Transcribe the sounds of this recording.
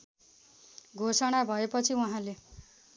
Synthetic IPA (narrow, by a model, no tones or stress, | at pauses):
ɡʱosʌɽ̃abʱʌepʌt͡sʰiwuɦãle